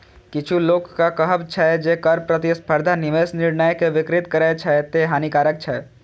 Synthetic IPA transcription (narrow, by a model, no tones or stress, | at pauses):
kɪt͡ʃʰuloːkkakɐɦəbt͡ʃʰaːed͡ʒeːkɐɾpɾɐt̪ispʰəɾd̪ʱanɪʋeːsnɪɽnəjkeʋɪkɾɪt̪kɐɾet͡ʃʰaet̪eɦaːnikaːɾək̚t͡ʃʰaːe